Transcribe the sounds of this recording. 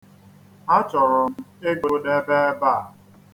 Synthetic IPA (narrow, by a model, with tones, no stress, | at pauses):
a˦t͡ʃɔ˨ɾɔ˨m̩˦e˦ɡo˨de˦be˦ba˦˨